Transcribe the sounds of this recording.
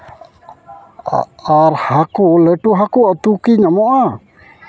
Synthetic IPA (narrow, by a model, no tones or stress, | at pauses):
aɾhakuləʈuɦakuat̪ukiɲamoʔa